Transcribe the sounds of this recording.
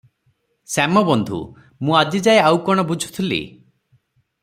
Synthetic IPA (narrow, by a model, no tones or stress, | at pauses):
samɔbɔnd̪ʱṵ | mũad͡ʒid͡ʒaeawkɔɽ̃ɔbud͡ʒʱu̥t̪ʰilḭ